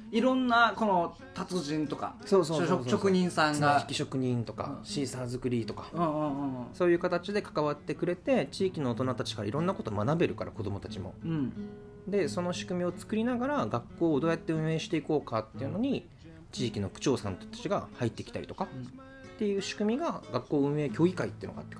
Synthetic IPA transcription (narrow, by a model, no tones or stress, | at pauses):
iɾõ̞nːako̞no | t̪at͡sɨʑĩnt̪oka̰so̞ːso̞ːosookɯ̟ɲĩɰ̃sãŋɡaçikʲiɕo̞kɯ̟ɲ̟ĩnt̪o̞ka̰ɕiːsaːzɨkɯ̟ɾʲiːt̪o̞kḁɯ̃so̞ːjɯ̟ːkat̪at͡ɕid̪e̞kḁkaβat̪ːe̞kɯ̟ɾe̞t̪e̞t͡ɕiːkʲino̞ːt̪o̞nat̪at͡ɕi̥kaɾa̰iɾõ̞nːako̞t̪oːmanabe̞ɾɯ̟kaɾa̰ko̞d̪o̞mo̞t̪at͡ɕimo̞̰ | d̪e̞so̞no̞ɕi̥kɯ̟mʲio̞t͡sɨ̥kɯ̟ɾʲinaɡaɾaɡakːo̞ːd̪o̞ːjat̪ːe̞ɯ̟̃ɰ̃e̞ːɕi̥t̪e̞iko̞ːkat̪ːeiɯ̟no̞ɲ̟i | t͡ɕiːkʲino̞kɯ̟̥t͡ɕo̞ːsã̰nt̪ot̪ḁt͡ɕiɡa̰hait̪ːe̞kʲi̥t̪a̰ɾit̪o̞ka | t̪ːe̞jɯ̟ːɕi̥kɯ̟mʲiɡaɡakːo̞ːɯ̟̃ɰ̃e̞ːkʲo̞ːɡʲikait̪ei̟noɡa̰t̪ːek